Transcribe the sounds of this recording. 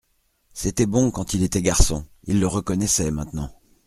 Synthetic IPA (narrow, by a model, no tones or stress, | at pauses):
set̪ɛbɔ̃kɑ̃t̪ilet̪ɛɡaʁsɔ̰̃ | ilːəʁəkɔnɛsɛmɛ̃t̪nɑ̃